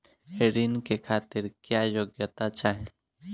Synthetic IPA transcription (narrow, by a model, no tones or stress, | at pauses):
heɾinkekʰaːt̪ɪɾkjaːjoːɡjət̪at͡ʃaːɦe